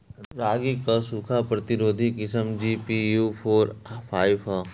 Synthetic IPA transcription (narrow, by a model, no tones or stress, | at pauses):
ɾaːɡikasukʰapɾɐt̪ɪɾoːd̪ʱikɪsəmd͡ʒipijupʰoːɾpʰaːiʋa